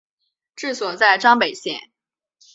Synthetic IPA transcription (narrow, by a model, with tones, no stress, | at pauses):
ʈ͡ʂɻ̩˥˩swɔ˨˩t͡sa˥˩ɪʈ͡ʂɑ˥ŋpe˨˩ɪɕjɛ̰˥˩n